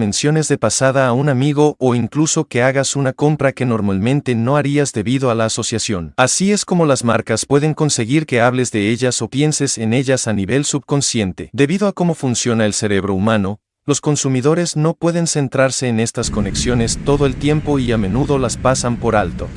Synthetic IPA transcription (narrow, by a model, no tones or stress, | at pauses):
ẽnsjo̞ne̞zðepasaðaːunamiɣ̞o̞ʔːiŋkluso̞ke̞aɣasunako̞mpɾake̞no̞ɾmalmẽ̞nt̪e̞no̞aɾiazðe̞βiðo̞alaːso̞sjasjo̞nasiesko̞mo̞lazmaɾkaspwe̞ð̞e̞ŋko̞nse̞ɣiɾke̞aβ̞le̞zðe̞e̞ʝaso̞pje̞nse̞sene̞ʝasaniβe̞lsuβko̞nsje̞nt̪e̞d̪e̞βiðo̞ako̞mo̞funsjo̞nae̞lse̞ɾe̞β̞ɾo̞umano̞ | lo̞sko̞nsumiðo̞ɾe̞zno̞pwe̞ðe̞nse̞nt̪ɾaɾse̞ːne̞st̪asko̞ne̞ksjo̞ne̞st̪o̞ðo̞elt̪je̞mpo̞iamẽ̞nuðo̞laspasampo̞ɾalt̪o̞̰